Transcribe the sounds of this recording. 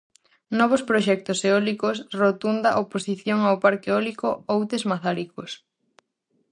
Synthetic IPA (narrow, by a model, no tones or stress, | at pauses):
nɔβ̞ospɾoʃɛk̚t̪oseɔlikosrot̪und̪aʔoposiθjoŋaopaɾkeɔlikoowt̪ezmaθaɾikos